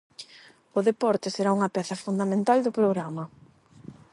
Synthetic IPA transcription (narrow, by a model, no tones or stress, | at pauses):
ʊðepɔɾt̪ɪseɾauŋɐpɛθɐfund̪amẽnt̪ald̪ʊpɾoɣɾamɐ